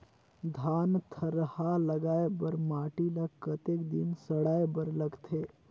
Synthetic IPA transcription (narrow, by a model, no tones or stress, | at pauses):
d̪ʱant̪ʰəɾəhaləɡaebəɾmaʈiləkət̪ekd̪insəɽaebəɾləɡt̪ʰe